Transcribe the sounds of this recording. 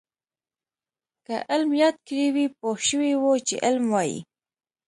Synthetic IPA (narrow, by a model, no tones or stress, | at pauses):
kaʔɪlmjɑt̪̚kɽiwipoʃəwiwot͡ʃḛʔɪlmwɑjḭ